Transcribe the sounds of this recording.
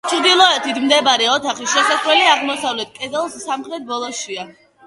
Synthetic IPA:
t͡ʃʰɾd̪ilˠɔɛt̪ʰit̪ʰmd̪ɛbaɾɛɔt̪ʰaχisʃɛsasvlɛliaʁmɔsavlɛt̪̚ʰkʼɛzɛlˠsːamχɾɛt̪̚ʰbɔlˠɔʃia

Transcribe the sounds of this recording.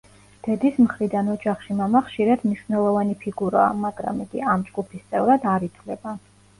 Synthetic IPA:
d̪̥ɛd̪ismχɾid̪anɔd͡ʒaχʃimamaχʃiɾad̪mniʃwnɛlˠɔvanipʰiɡuɾa̰ːmaɡɾa̰mɛɡ̥iamd͡ʒɡupʰist̪sʼɛvɾad̪aɾit̪ʰvlɛba

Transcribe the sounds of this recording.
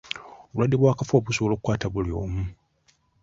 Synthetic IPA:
oβulwadːe̞βwaːkafoːβusoβolo̞kukwaːtaβulijo̞ːmu

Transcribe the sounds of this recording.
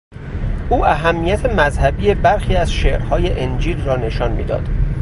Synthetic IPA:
ʔuːʔæɦæmːijæt̪ʰe̞mæzhæbiːje̞bæɾxiːæzʃeːʔɾhɒːje̞ʔend͡ʒiːlrɒːne̞ʃɒːnmḭːd̪ɒ̰ːd̪̥

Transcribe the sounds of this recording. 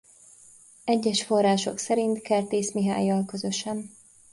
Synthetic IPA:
ɛɟːɛʃfo̞rːaːʃo̞ksɛɾint̪kɛlt̪eːsmiɦa̰ːjːɒlkøzø̞ʃɛn

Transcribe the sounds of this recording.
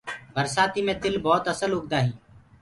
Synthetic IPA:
bʱəɾsaːt̪iːmẽːt̪ɪlbɔːt̪əsəlʊɡd̪aːɦiː

